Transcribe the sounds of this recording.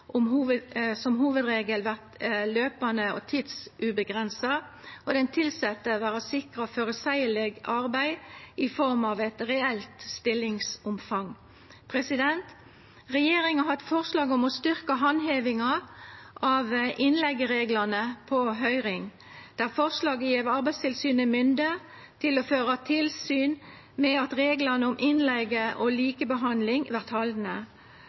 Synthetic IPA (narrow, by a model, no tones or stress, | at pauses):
ʔʊmhuːʋəsɔmɦuːʋəd̪ɾeːɡəlʋæʁt̪løːpɑnəɔ̰t̪ʰiːd̪sʔʉbəɡʁɛnsɑ | ɔd̪ɛnt̪ʰɪlsɛt̪ːəʋæːʁəsɪkʁɑføːɾəsæɪəlɛɡɑʁbæɪɪfɔʁmɑʋæɪt̪ʁɛɛlt̪st̪ɪlːɪŋsʊmfɑŋ | pʰʁɛsɪd̪ɛnt̪ | ʁɛjeːɾɪŋɑɦɑd̪fɔʁslɑːɡɔmɔst̪ʏʁkəɦɑnɦeːʋɪŋɑʔɑʋʔɪnlɛɡːəʁeːɡlɑnəpʰɔɦœʏʁɪŋ | d̪̥æːʁfɔʁslɑːɡəjeːʋɑʁbæɪst̪ʰɪlsyːnəmʏnd̪ə | t̪ʰɪlɔføːʁɑt̪ʰɪlsyːn | mɛɑt̪ʁeːɡlɑnəʊmʔɪnlɛɡəʔɔliːkəbəɦɑnd̪lɪŋʋæʁt̪hɑld̪nə